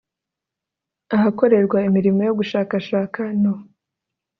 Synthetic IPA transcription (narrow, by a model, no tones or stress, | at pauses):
aɦako̞ɾe̞ɾɡwaimiɾimo̞jo̞ɡuʃaːkaʃaːkano